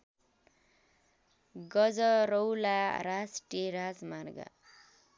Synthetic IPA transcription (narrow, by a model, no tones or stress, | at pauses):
ɡʌd͡zʌɾowlaɾasʈieɾad͡zmarɡa̰